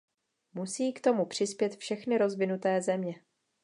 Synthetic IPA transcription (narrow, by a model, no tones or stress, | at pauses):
musiːkt̪o̞mupr̝̥ɪspjɛt̪fʃɛxnɪɾo̞zvɪnut̪ɛːzɛmɲɛ